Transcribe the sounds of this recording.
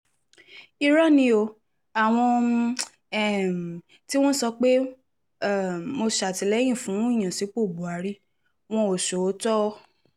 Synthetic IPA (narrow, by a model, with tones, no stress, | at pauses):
i˧ɾa˦nĩ˧o˧ | a˨w̃ɔ̃˧ | ɛ˦˨m˨ | ti˦w̃ɔ̃˦sɔ˧k͡pe˦˨ | mo˧ʃa˨ti˨˦lɛ˨˦j̃ĩ˦˨fũ˨˦i˦˨j̃ã˨si˨˦k͡po˦˨bu˨a˨ɾi˦ | w̃ɔ̃˧o˨ʃo˨o˨˦tɔ˦˧